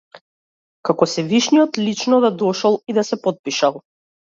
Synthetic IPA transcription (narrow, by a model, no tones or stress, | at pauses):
kakɔsɛviʃnijɔt̪lit͡ʃnɔd̪ad̪ɔʃɔlˠid̪asɛpɔt̪̚piʃalˠ